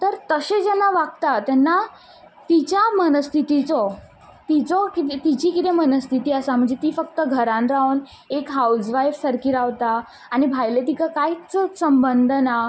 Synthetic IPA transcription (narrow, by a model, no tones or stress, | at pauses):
t̪əɾt̪əɕed͡ʑɛnːaʋaɡ̚t̪at̪ɛnːa | t̪it͡ɕjamənəst̪ʰit̪it͡sɔ | t̪it͡sɔkit̪t̪id͡ʑiːkit̪emənəst̪ʰit̪iːasam̤əɳd͡zet̪iːfək̚t̪əɡʱəɾãnɾaun | ekɦausʋajfsəɾkiɾaʋt̪aː | ñibʱajlet̪ikakait͡ssəmbənd̪ʱna